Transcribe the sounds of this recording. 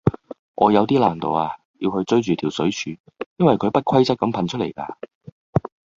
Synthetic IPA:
ŋʔɔː˨˧jɐ˨˧wt̪iː˥laː˨˩nt̪o˨waː˧ | ji˧whɵ˧ɥt͡ʃɵ˥ɥt͡ʃyː˨t̪ʰiː˨˩wsɵ˨˥ɥt͡ʃʰyː˨˧ | jɐ˥nwɐ˨jkʰɵ˨˧ɥpɐ˥t̚kʰɐ˥jt͡sɐ˥t̚kːɐ˨˥mpʰɐ˨˧nt͡ʃʰɵ˥tle˨˩jka̰ː˧

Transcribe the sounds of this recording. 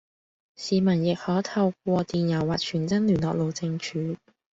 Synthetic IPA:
siː˨˧mɐ˨˩njɪ˨k̚hɔː˨˥t̪ʰɐ˧wk̚ʷɔː˧t̪iː˨njɐ˨˩wːaː˨k̚t͡ʃʰyː˨˩nt͡sɐ˥nlyː˨˩nlɔː˨k̚lo˨˩wt͡sɪ˧ŋt͡ʃʰyː˨˥

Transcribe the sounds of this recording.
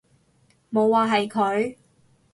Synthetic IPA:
mo˨˧wːaː˨˧ɦɐ˨jkʰɵ˨˧ɥ

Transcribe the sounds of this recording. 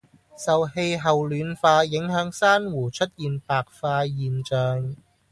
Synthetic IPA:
sɐ˨whe˧jɦɐ˨wlyː˨˧˥nfaː˧jɪ˨˥ŋɦœː˨˥ŋsaː˥nwuː˨˩t͡ʃʰɵ˥t̚jiː˨npaː˨k̚faː˧jiː˨nt͡ʃœː˨ŋ

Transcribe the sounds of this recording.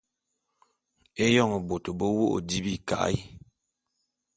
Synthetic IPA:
e˦jɔ˦˨ŋə˨bo˨to˨bo˦wo˦ʔo̰˨di˦bi˦˨ka̰˨ʔi˦

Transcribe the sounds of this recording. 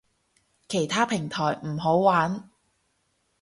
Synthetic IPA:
kʰe˨˩jt̪ʰaː˥pʰɪ˨˩ŋt̪ʰɔː˨˩jm̩˨˩ɦo˨˥wwaː˨˥n

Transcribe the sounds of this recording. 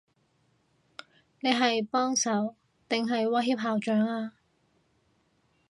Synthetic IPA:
ne˨˧jɦɐ˨jpɔː˥ŋsɐ˨˥w | t̪ɪ˨ŋɦɐ˨jwɐ˥jɦiː˥p̚ɦaː˨˩wt͡ʃœː˨˥ŋaː˧

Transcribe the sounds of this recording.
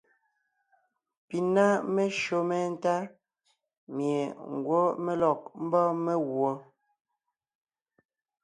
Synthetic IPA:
pi˨na˦me˦ʃo˦mɛ˦˨n̩˦ta˦ | mje˨ŋ̩˨ɡwo˦me˦lɔ˨k̚m̩˦bɔ˦me˦ɣwɔ˨

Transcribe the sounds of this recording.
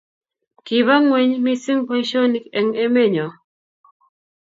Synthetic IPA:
ki˨βa˦ŋwɛ˦ɲmi˦si˦ŋpɔ˦i˦ʃɔ˦ni˦kɛ˨ŋe˦me˦˨ɲɔ˨

